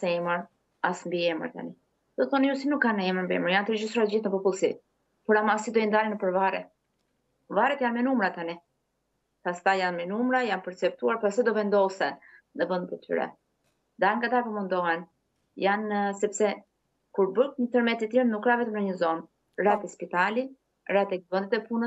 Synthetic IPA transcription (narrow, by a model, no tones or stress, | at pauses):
sɛɛməɾ | asmbiɛmə̰ɾt̪a̰ni | d̪̥ɔθɔnijusinukːanəɛməɾmbiɛ̰məɾjant̪ɾid͡ʒist̪ɾɔld͡ʑit̪nəpɔpulˠsi | pɔɾamasid̪ɔind̪alinəpəɾvaɾɛ̰ | vaɾɛt̪janmɛnumɾat̪ani | past̪ajanmɛnumɾajanpəɾt͡sɛp̚t̪uaɾpasɛd̪ɔvɛnd̪ɔsɛ | nəbənd̪ɛt̪ɛt̪y̰ɾɛ̰ | d̪aɾŋɡat̪apəmund̪ɔɦɛn | jansɛpsɛ | kuɾbəkɲət̪əɾmɛt̪it̪inukːɾavɛt̪əmnəɲəzɔn | rat̪ɛspit̪ali | rat̪ɛbənd̪ɛt̪ɛpunəs